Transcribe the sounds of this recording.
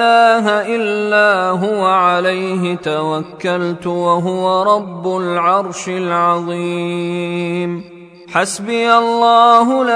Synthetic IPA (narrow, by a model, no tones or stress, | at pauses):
aːɦaʔɪlːaːɦʊwaʕalajɦɪt̪awakːalt̪ʊwaɦʊwaɾˤɑbːʊlʕɑɾˤʃɪlʕɑðˤiː | m | ħasbɪjalˤːɑːɦʊla